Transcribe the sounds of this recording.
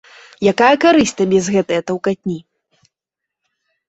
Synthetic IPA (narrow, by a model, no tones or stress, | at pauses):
jakajɐkaɾɨsʲt̪ɐbʲɛzɣɛt̪ɐjɐt̪ɐwkat̪ʲnʲi